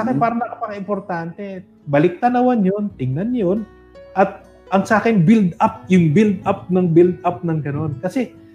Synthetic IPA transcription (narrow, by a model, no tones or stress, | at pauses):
akɪnpaːɾɐnɐkapɐkɐʔɪmpoɾt̪aːnt̪ɛ | bɐlɪk̚t̪anɐwanjo̞nt̪ɪŋnanjo̞n | ʔɐt̪̚ | ʔɐŋsaːkɪnbild̪ap̚jʊŋbild̪ʔap̚nɐŋbild̪ap̚nɐŋɡɐno̞nkɐsɛ